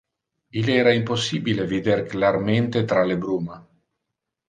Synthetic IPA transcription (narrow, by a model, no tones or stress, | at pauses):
ilɛːɾaimposːibilevid̪erklarment̪et̪ɾalebɾuːma